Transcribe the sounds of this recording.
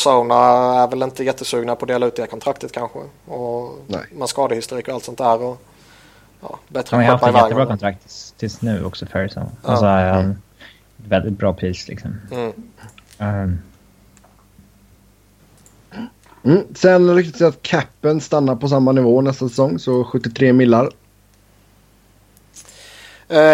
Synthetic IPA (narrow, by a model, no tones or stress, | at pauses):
saʊnaæɾvɛlɪnt̪əjɛt̪ːəsʉ̟ːɡnapɔd̪eːlaʉ̟t̪̚ɛhæːɾkʰɔnt̪ɾakt̪ət̪kʰanɧə̰ɔ̰ | manskɑːd̪əhɪst̪ʊɾiːkɔalt̪sɔnt̪d̪æːɾɔ | jɑ̰ːbɛt̪ːɾəanahaft̪ːɪjɛæːɡ̪əbɾɑːkʰɔnt̪ɾakt̪ʰːt̪ʰːɪsnʉ̟ːʔɔ̰ksɔfœɾsa̰ʊnɔsɔhaɾn | t̪vɛld̪ɪt̪̚bɾɑːpʰɾiːslɪ̰ksɔm | m̩ːsɛnɛɾɪk̚t̪ɪt̪sɛat̪kʰæpːənst̪anːaɾpɔs̬amːanɪvoːnɛst̪asɛsɔŋːsɔɧɵt̪ːɪt̪ʰɾeːmɪlːaɾ